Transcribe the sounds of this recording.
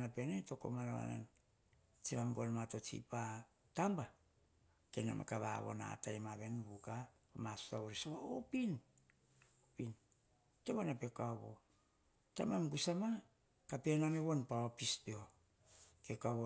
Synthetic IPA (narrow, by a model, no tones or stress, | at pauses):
napeneto̞ko̰manaβa̰na̰n | t͡ʃimamɡolmato̞t͡ʃḭpa | tamba | kena̰mʔa̰kaβa̰βo̰na̰tajmaβe̞nbukapamasu̥taβoɾisoβaopin | opin | teβanape̞kaβo̰ | tamamɡusama | kape̞nameβonpaopispeo | kekaβo